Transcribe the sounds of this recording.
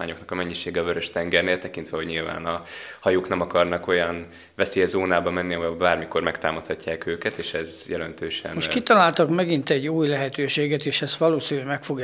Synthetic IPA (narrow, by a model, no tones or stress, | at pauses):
aːɲo̞knɒkɒmɛɲːiʃeːɡɛɒvøɾøʃt̪ɛŋɡɛrneːlt̪ɛkint̪ʋɛɦo̞ɟɲilva̰ːnɒhɒjoːknɛmɒkɒrnɒko̞jɒn | vɛseːjɛzoːnaːbɒmɛnːiɒɦojobaːrmiko̞rmɛkt̪aːmɒt̪hɒcːaːkøːkɛt̪eːʃɛzjɛlɛnt̪øːʃɛ̰nmoʃkit̪ɒlaːlt̪ɒkmɛɡint̪ɛɟːuːjlɛɦɛt̪øːʃeːɡɛt̪eːʃɛst̪ʋɒloːsinymɛkfo̞ɡ